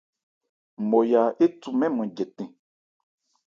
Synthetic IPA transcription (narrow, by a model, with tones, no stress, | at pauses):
mɔ˨ja˨e˦tu˨mɛ̃˦mɔ̃˨d͡ʒɛ˨tɛ̃˨